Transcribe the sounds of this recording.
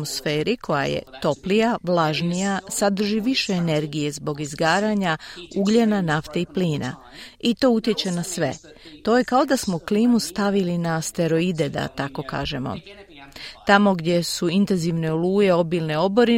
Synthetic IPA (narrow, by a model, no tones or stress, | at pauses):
mosfe̞ːɾikʰo̞ja̰jḛt̪o̞plijaʋlˠaʒnijasad̪r̩ʒiʋiʃe̞ːne̞ɾɡije̞zbo̞ɡizɡaːɾaɲauɡʎenanaft̪eipliːna̰ | it̪o̞ːut̪je̞t͡ɕe̞nasʋe̞̰ | t̪o̞ːje̞kao̞d̪asmo̞kliːmust̪aʋilinast̪e̞ɾo̞id̪e̞d̪a̰t̪ako̞ka̰ːʒe̞mo̰ | t̪amo̞ɡd̪je̞suint̪e̞nziʋne̞oluːje̞o̞bilne̞o̞bo̞ɾi